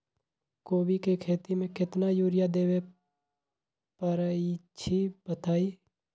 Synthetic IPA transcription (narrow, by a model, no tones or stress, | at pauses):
koːbikekʰeːt̪imẽkɪt̪najuːɾɪjad̪eːwe | pəɾəit͡ʃʰibət̪aːi